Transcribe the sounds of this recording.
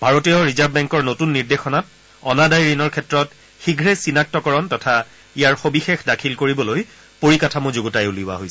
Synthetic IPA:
bʱaɹotijɔɹizabbɛŋkɔɹnotunːiɹdexɔnat | ɔnadajɹinɔɹkʰɛtɹɔt | xiɡʱɹesinak̚tɔkɔɹɔntɔtʰa | ijaɹxobixexdakʰilkoɹibɔloj | poɹikatʰamuzoɡɔtajuliʊa̰ɦojsɛ

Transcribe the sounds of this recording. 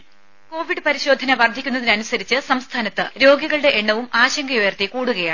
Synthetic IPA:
ko̞ːʋiɖɨpɐɾiɕo̞ːd̪ʱɐnɐʋɐrd̪ʱːikʲːunːɐðinɐnusɐɾit͡ɕːɨsɐmst̪ʰaːnɐt̪ːɨɾo̞ːɡiɣɐɭɽe̞ʔeɳːɐʋumʔaːɕɐŋɡɐjojɐrt̪ikuːɽuɣɐjaːɳ

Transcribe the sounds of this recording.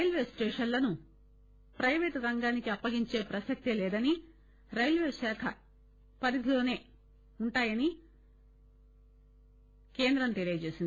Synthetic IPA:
ɾɐjlʋeːsʈeːʂɐnlɐnu | pɾɐjʋeːʈɾɐŋɡaːnikiɐpːɐɡiɲt͡ʃe̞ːpɾɐsɐk̚t̪ilɛːd̪ɐni | ɾɐjlʋeːʃaːkʰɐ | pɐɾid̪ʱilo̞ːne̞ː | uɳʈaːjɐni | ke̞ːnd̪ɾɐmt̪elijɐt͡ʃe̞ːsind̪i

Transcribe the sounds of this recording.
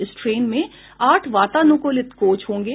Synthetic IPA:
ɪsʈɾeːnmẽ | aːʈʰʋaːt̪anʊ̃ːkolɪt̪koːt͡ʃɦõːŋɡe

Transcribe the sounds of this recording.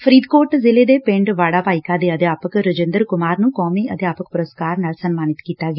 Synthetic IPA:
pʰəɾiːd̪koːʈzɪleːd̪eːpɪ̃ɳɖʋaːɽaːbaːɪkaːd̪eːəd̪jaːpəkɾəd͡ʒẽnd̪əɾkʊmaːɾnũːkɔːmiːəd̪jaːpək̚pʊɾəskaːɾnaːlsənmaːnɪt̪kiːt̪aːɡ

